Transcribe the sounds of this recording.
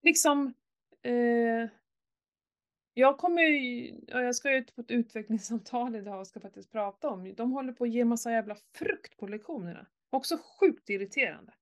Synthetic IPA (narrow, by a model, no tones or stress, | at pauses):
lɪksɔm | ɛ | jɑːɡ̚kʰɔmːəjjɑ̰jɑɡskaʉ̟ːt̪pʰɔɛt̪ʉ̟ːt̪vɛklɪŋsamt̪ʰɑːlɪd̪ɑːɡskafak̚t̪ɪsk̪̚pʰɾɑːt̪aɔmd̪ɔmɦɔlːəɾpʰɔːjeːmasːajæːvlafɾɵkt̪pʰɔlɛkɧuːnəɳa̰ | ɔksɔɧʉ̟ːk̚t̪ɪɾɪt̪ʰeːɾa̰nd̪ə